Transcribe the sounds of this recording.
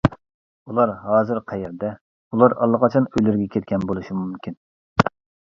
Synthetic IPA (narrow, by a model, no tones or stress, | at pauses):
ulˠɑɾɦɑːzɨɾqʰɛjeɾd̪ɛ | ulˠɑɾɑ̰lˠːəqɑt͡ʃʰɑnøjlyɾɡʲɛkʲʰet̪̚kʲʰɛnbolˠuʃimumkʲʰin